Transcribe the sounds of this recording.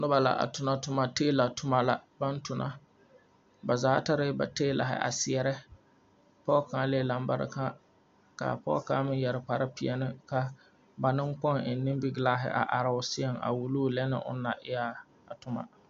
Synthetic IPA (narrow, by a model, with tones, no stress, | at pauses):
nʊ˦ba˨la̰˨ʔa̰˨tʊ˨na˨tʊ˨ma˨teː˦la˨tʰʊ˦ma˦la˨ba˦n˦tʊ˨nʔa˦ | ba˨zaː˦ta˦ɾɪ˦ba̰˨teː˦la̰˨ɦɪ̰˦ʔa̰˨sɪ˨ɛ˨ɾɛ˦ | pɔ˦kã˨˦le˦˨la˨mba̰˦ɾɪ̰˨ka˦ | ka̰˨pɔ̰˦ka˦mɪ˦n˦jɛ˨ɾɪ˨k͡pa˨ɾɪ˦pɪ˨ɛ˨nɪ˦ka˦ | ba˨nɪ˦ŋkɔ˦ŋɪ˨˦nːɪ˦mbi˦ɡlaː˦ɦɪ̰˦ʔa̰˨ʔa˨ɾa˦ʊ˦sɪ˦ɛ˦ŋa̰˨wu˨lu˦lɛ˦nɪ̰˦ʔʊ̰˦nː˦a˨ʔɪ˦ja˦ | a˨tʊ˨ma̰˦